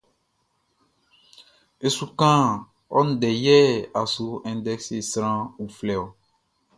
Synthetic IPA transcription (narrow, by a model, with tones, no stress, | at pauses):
e˨su˨kã˦ | ɔ˦n̩˦dɛ˨jɛ˦a˨su˦ɛ̃˨ndɛ˦kse˨sɾã˦u˨flɛ˨ɔ˨